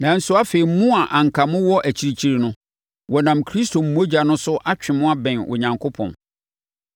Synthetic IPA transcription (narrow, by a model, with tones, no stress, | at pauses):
nã˨n̩˦sʊ˦a˦fe˨i˨m̩˦mũ˦a˨ʔã˨ŋ̩˨kʰa˨mʊ̃˦wɔ˦ʔæ˨t͡ɕʰi˨ɾi˨t͡ɕʰi˦ɾi˨nʊ̃˦ | wɔ˨nã˨mkʰɾi˦stʰo˨m̩˨˦mo˦d͡ʑa˨nʊ̃˦sʊ˦ʔa˦t͡ɕᶣɪ̃˨mʊ̃˦a˦bɛ̃˨nɔ̰˨ɲã˨ŋkʰo˦pʰɔ̰̃˨n